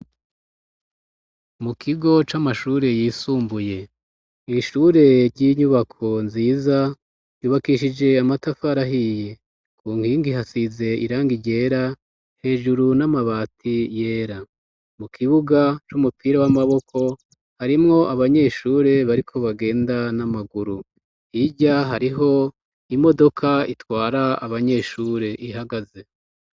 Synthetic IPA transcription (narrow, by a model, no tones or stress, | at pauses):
mukʰiɡo̞t͡ʃamaʃuːɾe̞jiːsuːmbuje̞ | iʃuːɾe̞ɾɟiɲuβakʰo̞nziːza | juːβakiʃid͡ʒe̞amatafaɾaɦije̞ | kʰuːŋ̥hiːŋɡiɦasize̞iɾaːŋɡiɟe̞ːɾa | he̞ːʒuɾunamaβaːtʰije̞ːɾa | mukʰiβuɡat͡ʃumupiːɾawamaβo̞kʰo̞ | haɾimŋo̞ʔaβaɲe̞ʃuːɾe̞βaɾikʰo̞βaɡe̞ːndanamaɡuɾu | hiɟaɦaɾiɦo̞ | imo̞do̞kʰaitwaːɾaaβaɲe̞ʃuːɾe̞ʔihaɡaze̞